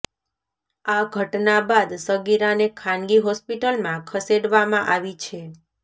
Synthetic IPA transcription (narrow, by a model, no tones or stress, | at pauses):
aɡʱəʈnabad̪səɡiɾanekʰãnɡiɦɔspiʈəlmãkʰəseɽʋamãʔaʋit͡ʃʰe